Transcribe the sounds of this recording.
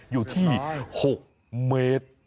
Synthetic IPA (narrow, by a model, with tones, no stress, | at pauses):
juː˨˩t̪ʰiː˥˩ho˨˩k̚ | meː˦˥t̪̚